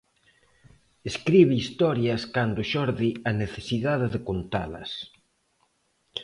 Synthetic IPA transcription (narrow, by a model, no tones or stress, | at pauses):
eskɾiβɪist̪ɔɾjɐskand̪ʊʃɔɾðiɐneθesiðaðɪðekont̪alɐ̰s